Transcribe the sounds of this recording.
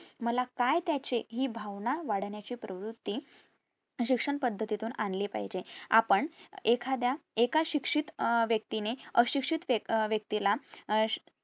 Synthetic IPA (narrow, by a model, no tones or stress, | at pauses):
məlakajt̪jat͡ɕeɦiːbʱaʋnaʋaɽ̤ɳjat͡ɕiːpɾəʋɾut̪ːiː | ɕikʂəɳpəd̪ʱːət̪it̪uːnanlepa̰ɦd͡ʑeapəɳekʰad̪jaekaɕikʂit̪ʋjək̚t̪ineəɕikʂit̪ʋjək̚t̪ila